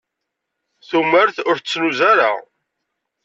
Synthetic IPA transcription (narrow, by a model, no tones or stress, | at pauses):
θuməɾθʊɾt͡sːnuzæɾa̰